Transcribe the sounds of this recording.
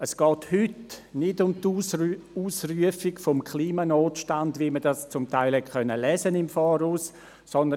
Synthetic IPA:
əsɡ̥ɔːthʏtnɪdʊmtː | uːsryəfɪɡfɔmkʰliːmanoːtʃtandvʋimədast͡sʊmtaɪlhɛt̚kœnːəlɛːsənɪmfɔːɾus | sɔnd̪ə

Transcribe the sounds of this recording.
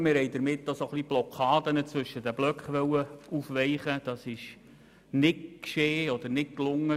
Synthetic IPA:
mɪɾhɛɪd̪əɾmɪt̪ːosoχlib̥lɔkʰɑːd̪ənət͡sʋɵʃːəd̪æblœkχʋœwəufʋɛɪχəd̥̪ɑsɪʃ | nɪtkʃeːɔd̥̪əɾnɪk̚klʊŋːə

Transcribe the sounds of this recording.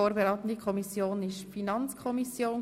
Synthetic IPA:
oːɾbeɾɑːt̪ən̩dikʰɔmisjoːnɪʃfinɑnt͡skʰɔmisjoːn

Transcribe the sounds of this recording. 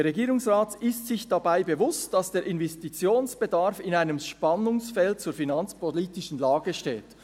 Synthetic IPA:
eɾeɡiːɾʊŋsʁaːtɪstsɪçd̥ɑbaɪbevʊstd̥ɑsd̥eːɾʔɪnvɛstit͡sjoːnsb̥edɑɾfɪnaɪnəmʃpɑnʊŋsfɛlt̚t͡suːɾfinɑnt͡spoliːtɪʃn̩laːɡəʃtḛːt

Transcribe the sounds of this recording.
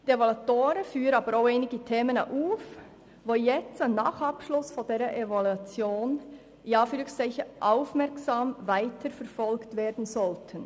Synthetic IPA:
d̥ievolatoːɾəfyːʁənɑːbəɾoʊeɪnɪɡətʰeːməna̰ʔuːf | voːjɛt͡stannɑːχɑpʃlʊsfodeːɾəʔevoluat͡sjoːn | jɑːfylksɛɪçəʔɑʊfmɛksaːmvaɪtʰəɾfɛɾfɔlktveːɾdn̩zɔltʰən

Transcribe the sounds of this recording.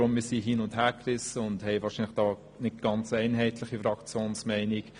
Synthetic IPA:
ɔmiːsiɦiːnʊnthɛːkrɪsəʊndhɛɪʋɑːɾʃiːnlɪχd̥ɑː | nɪt̚ɡ̥ɑnt͡sɛɪnɦɛɪtʰlɪχifɾɑkt͡sjoːnsmɛɪnik

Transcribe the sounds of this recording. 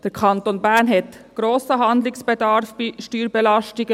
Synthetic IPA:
d̥ɛɾkʰɑnt̪onbæɾnɦɛt̪ | ɡ̥ɾoːsəɦɑnd̪lɪsb̥ɛd̪ɑɾfbiʃtyːɾbɛlɑstɪɡə

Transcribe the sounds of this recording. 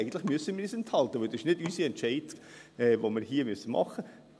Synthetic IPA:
ɡən̩tlɪχmyəsːənmɪɾyːsɛnt̪hɑlt̪əʋœld̪ɪʃnɪdysiɛntʃɛɪdɛːʋomɪɾɦiːəmyəsəmɑ̰χə

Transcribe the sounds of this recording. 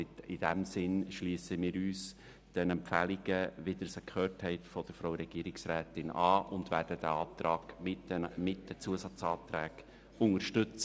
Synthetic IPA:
ɪɪd̥æmsɪnʃliːsəmiːɾyːs | d̥ɛnɛmpfæliɡ̥əʋɪd̥̪əsɛkχøːthɛɪtfɔd̥əɾfɾaʊɾɛɡ̥iːɾɪksɾæːtɪnɑːʔʊndvæːɾd̥əd̥̪æɑːt̪ɾɑːɡ̥ɪmɪt̚d̥ɛt͡suəsɑt͡sɑːt̪ɾæːɡ | ʊŋəɾʃtʏt͡sə

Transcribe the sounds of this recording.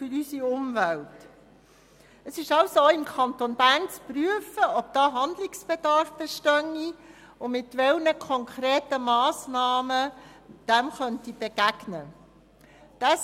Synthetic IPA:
fʏɾysiʊmvælt | əsɪʃɑʊsoɪmkʰɑnt̪onbæːɾnt͡spryəfəɔb̥̚d̥̪ɑːɦɑnd̪lɪksb̥ed̥ɑɾfb̥ɛʃtœŋːi | ʊmɪtʋɛlnəkʰɔŋkʰɾeːtəmɑːsnɑːməd̥ɛmχœntib̥eɡ̥æɡ̥nə | d̥æs

